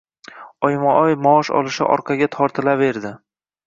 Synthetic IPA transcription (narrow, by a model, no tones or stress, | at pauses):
ɒjmɒɒjmɒɒʃɒ̰lˠɪʃɪ̰ʔɒ̰ɾqʰɑɡʲat̪ʰɒɾt̪ʰɪlave̞ɾd̪ɪ